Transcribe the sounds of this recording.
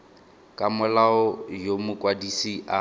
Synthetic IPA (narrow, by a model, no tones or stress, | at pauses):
kʼamʊlaɔjomʊkʼwadisiʔa